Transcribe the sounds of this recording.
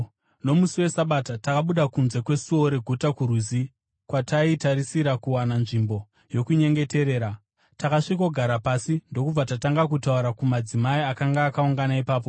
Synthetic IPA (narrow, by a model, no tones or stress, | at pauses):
no̞musiwe̞saɓatatakaɓuɗakunze̞kwe̞suo̞ɾe̞ɡʱutakuɾuzi | kwataitaɾisiɾakuwananʐimbo̞ | jo̞kuɲe̞ŋɡe̞te̞ɾe̞ːɾa | takaʂiko̞ɡʱaɾapasindo̞kub͡vatataŋɡakutauɾakumad͡zimaiakaŋɡaːkauŋɡanaipaːp̬o